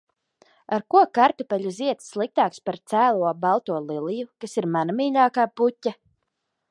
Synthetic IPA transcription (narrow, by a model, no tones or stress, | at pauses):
aɾkuɔkaɾt̪upɛʎʲuziɛt̪sːlˠik̚t̪aːkspaɾt̪sæːlˠuɔbalˠt̪uɔlˠilˠijukasiɾmanamiːʎaːkaːputʲːa